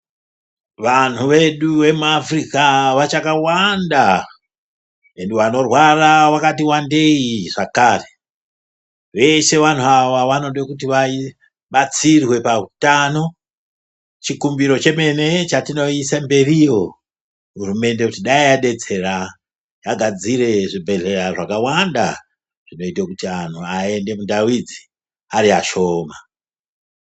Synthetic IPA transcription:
ʋan̤uʋe̞ɗuʋe̞muafrikaʋat͡ʃakawanda | endeʋano̞rwarawakatiwande̞iʐ̥akaːre̥ | ʋe̞se̞ʋan̤uawaʋano̞ɗwekutiʋai | ɓat͡sirwe̞pautano̞ | t͡ʃikumbiɾo̞t͡ʃe̞me̞ne̞t͡ʃatino̞isambe̞rijo̞ | ɦuɾume̞nde̞kutiɗaijaɗe̞d͡ze̞ra | jaɡʱad͡ziɾe̞ʐibʱeɮeɾaʐakawanda | ʐ̥ino̞itekutanoae̞nde̞mundawid͡zi | aɾia̰ʃo̞ːma

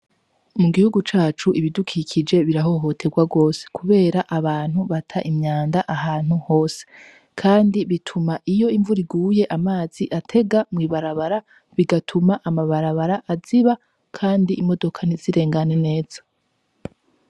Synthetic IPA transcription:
muɡihuɡut͡ʃaːt͡ʃuʔiβidukʰikʰid͡ʒe̞βiɾaɦo̞ɦo̞tʰe̞ɡwaɡo̞ːse̥kuβe̞ːɾaʔaβaːn̥huβatʰaʔimɲaːndaʔaɦaːn̥huho̞ːse̥ | kʰaːndiβitʰumaʔijo̞iɱvuɾiɡuːje̞ʔamaːz̥iʔatʰe̞ɡamŋiβaɾaβaɾa | βiɡatʰumaʔamaβaɾaβaɾaʔaziβa | kʰaːndiʔːmo̞do̞kʰaniziɾe̞ːŋɡane̞ne̞ːz̥a

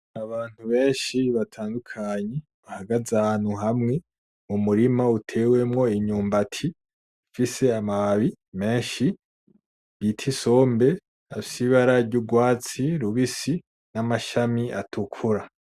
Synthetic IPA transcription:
aβaːn̥huβe̞ːɲʃiβatʰaːndukʰaɲe | βahaɡazaan̥huɦamŋe̞ | mumuɾimautʰe̞we̞mŋo̞iɲuːmbatʰi | fise̞amaβaβi | me̞ːɲʃi | βitʰiso̞ːmbe̞ | afi̥siβaɾaɾɟuɡwaːt͡siɾuβisi | namaʃamia̰tʰukʰuɾa

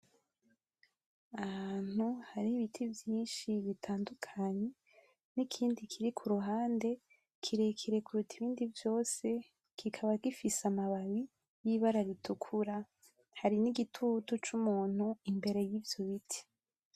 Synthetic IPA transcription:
ahaːn̥huhaɾiiβitʰivjiːnʃiβitʰaːndukʰaɲe̞ | nikʰiːndikʰiɾikʰuɾuɦaːnde̞ | kʰiɾekʰiɾekuɾutʰiβiːndivjo̞ːse̞ | kikʰaβaɡifisamaβaβi | jiβaɾaɾitʰukʰuɾa | haɾiniɡitʰutot͡ʃumuːn̥huimbe̞ɾe̞jiːvjoβitʰi̥

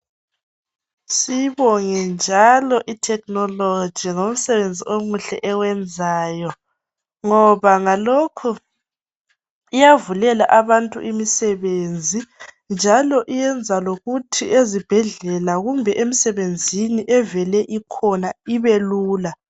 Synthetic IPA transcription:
siβɔŋɛnd͡ʒʱalɔʔitʰɛkʼnɔlo̥d͡ʒ̥ʱiŋom̩sɛβend͡zʱiomuɬɛ̰ʔɛwɛnd͡zʱaːjɔ | ŋɔβaŋalokʰu | ijavulɛlaʔaβantʼṵʔimisɛβend͡zʱi | nd͡ʒʱalɔʔijɛnd͡zʱaloɣutʰiezib̥ʱɛɮɛlaɣumbʱɛʔem̩sɛβend͡zʱiniʔɛvɛlɛʔikʰɔnaiβeluːla

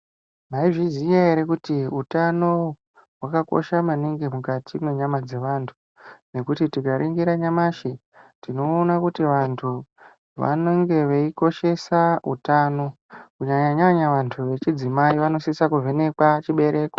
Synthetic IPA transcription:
maiʐizijaeɾe̞kutiutano̞ | ɦwakako̞̰ʃamaniŋɡemukatʰimwe̞ɲamad͡ze̞ʋaːntʰu̥ | ne̞kutitikaɾʔiŋɡiɾaɲamaʃi | tino̞ːnakutiʋantʰu | ʋa̰noŋɡe̞ʋeiko̞ʃe̞saṵtaːno̞ | kuɲaɲaɲaɲaʋantʰuʋe̞t͡ʃid͡zimaiʋano̞sisakuvʱe̞ne̞kwat͡ʃiɓe̞ɾe̞ːko

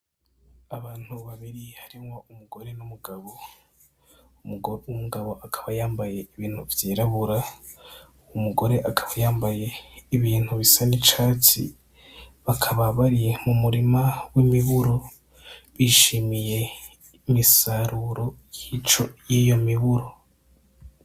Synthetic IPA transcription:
aβaːn̥huβaβiɾihaɾiŋwoumuɡo̞ɾe̞numuɡaβo | umuɡaβo̞ʔakʰḁβajaːmbaje̞iβiːn̥huvjiːɾaβuɾa | umuɡo̞ɾe̞ʔakʰḁβajaːmbaje̞iβiːn̥huβisanit͡ʃaːt͡sḭ | βakʰaβaβaɾijemumuɾimawimiβuɾo̞ | βiʃimije̞ | imisaɾuɾo̞jit͡ʃo̞jiːjo̞miβuɾo̞

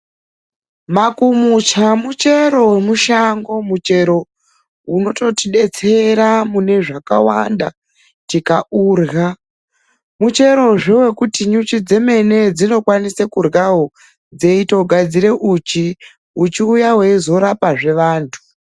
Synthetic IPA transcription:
makumut͡ʃamut͡ʃe̞ɾo̞wemuʃaŋɡo̞mut͡ʃe̞ɾo̞ | uno̞to̞tiɗe̞t͡se̞ɾamune̞ʐaka̰wa̰nda | tikaʔuːrɣa | mut͡ʃe̞ɾo̞ʐewe̞kutiɲut͡ʃid͡ze̞me̞ne̞d͡zino̞kwanisekurɣaɦo | d͡ze̞itoɡʱad͡ziɾe̞ʔut͡ʃi | ut͡ʃiujawe̞zo̞ɾapaʐe̞ʋaːntʰu̥

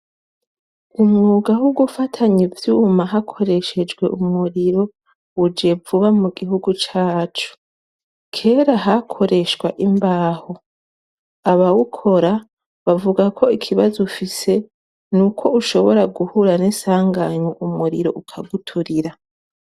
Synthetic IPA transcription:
umŋuːɡahuɡufatʰaɲivjuːmaɦakʰo̞ɾe̞ʃe̞d͡ʒɡwe̞̰ʔumuɾiɾo̞ | ud͡ʒe̞vuβamuɡiɦuɡut͡ʃaːt͡ʃu̥ | kʰe̞ːɾaɦakʰo̞ɾe̞ʃɡwaʔimbaːho̞ | aβawukʰo̞ɾa | βavuɡakʰo̞ikʰiβazufise̞ | nukʰo̞uʃo̞βo̞ɾaɡuhuɾanesaːŋɡaɲwoʔumuɾiɾo̞̰ʔukʰaɡutʰuɾiɾa

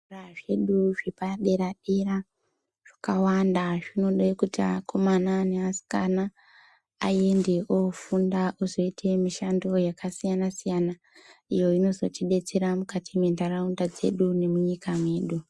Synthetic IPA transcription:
uraʐe̞ɗuʐipaɗe̞ɾaɗe̞ɾa | ʐ̥akawandaʐino̞ɗekutia̰kʰo̞mananeasi̥ka̰na | a̰jende̞ʔofundaʔuzo̞itʰe̞miʃandojakasijanasijana | ijo̞ino̞zo̞̰t͡ʃiɗe̞t͡se̞ɾamukatʰimendaraundad͡ze̞̰ɗune̞muɲikamwe̞ːɗu

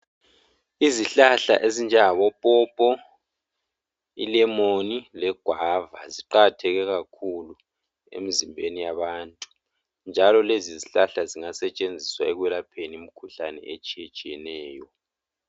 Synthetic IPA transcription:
iziɬaɬa̰ʔezind͡ʒʱɛŋaβɔpʼɔpʼɔ | ḭlɛmonilɛɡ̥ʱwava̰ziǃatʰɛɣɛɣakʰulu | ḛmizimbʱenijaβaːntʼu | nd͡ʒʱalɔleziziɬaɬaziŋasɛt͡ʃʼend͡zʱiswaɛɣwɛlapʰeniim̩kʰuɬanɛ̰et͡ʃʼijɛt͡ʃʼijɛnɛːjɔ

